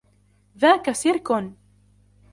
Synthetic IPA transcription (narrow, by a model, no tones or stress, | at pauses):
ðaːkasɪɾkʊn